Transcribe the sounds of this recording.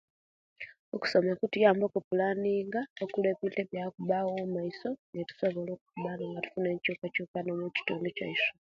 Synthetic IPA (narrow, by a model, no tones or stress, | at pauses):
oku̥so̞mekutujaːmbokupulaniːŋɡaokulweβiteβjakuβawomaiso̞netu̥so̞βo̞lo̞ːkukuβanoŋɡatu̥funeːcukacuːkanomuci̥toːndocaiʃo